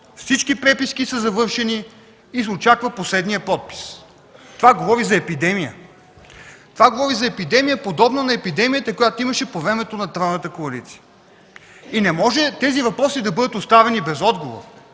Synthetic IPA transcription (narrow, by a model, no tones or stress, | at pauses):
fsit͡ʃkipɾɛpiskisɐzɐvɤɾʃɛniː | sot͡ʃakvɐposlɛd̪nijəpɔt̪̚pi̥s | tt̪ovaɡovɔɾizɐɛpid̪ɛmijə̰ | t̪ovaɡovɔɾizɐɛpid̪ɛmijəpod̪ɔbnɐnɐɛpid̪ɛmijət̪ɐkojat̪oimɐʃɛpovɾɛmɛt̪onɐt̪ɾanət̪əkoɐlit̪si̥ə | inɛmɔʒɛt̪ɛzivɐpɾɔsid̪ɐbɤd̪ət̪ost̪avɛnibɛzɔd̪ɡovo̰ɾ